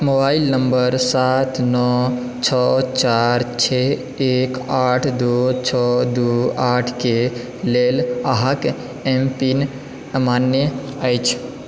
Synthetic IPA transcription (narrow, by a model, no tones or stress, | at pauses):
mobailnəmbəɾsat̪ʰnɔ | t͡ʃʰɔt͡ʃaɾt͡ʃʰe | ekaʈʰd̪ot͡ʃʰɔd̪uaʈʰke | leləɦãk | empin | manje | əjt͡ʃʰ